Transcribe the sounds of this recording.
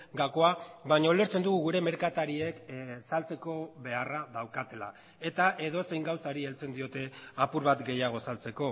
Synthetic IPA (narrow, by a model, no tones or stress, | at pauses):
ɡako̞aβaɲaole̞ɾt͡se̞nd̪uɣuɣuɾe̞me̞ɾkat̪aɾie̞ksalt͡se̞ko̞βe̞araðawkat̪e̞la̰ | e̞t̪aʔe̞ðo̞se̞jŋɡawsaɾielt͡se̞nd̪io̞t̪e̞apuɾβat̪ɡe̞jaɣ̞o̞salt͡se̞ko̞